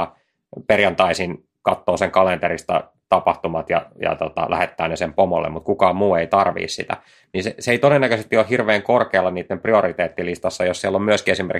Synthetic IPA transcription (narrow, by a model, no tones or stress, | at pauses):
ɑ | perjɑnt̪ɑisin | kɑt̪ːoːseŋkɑlent̪eɾist̪ɑ̰ | t̪ɑpɑht̪umɑt̪jɑ̰jɑ̰t̪ot̪ɑ̰lʔæ̰het̪ːæːnesempomolːḛmmut̪̚kukɑːmmuːeit̪ɑrʋḭːssḭt̪æ̰ | ninseseeit̪odenːækøsest̪iolhirʋeːŋkorkeːlːɑniːt̪ːempriorit̪eːt̪ːilist̪ɑsːɑjossielːommyøskiesimḛr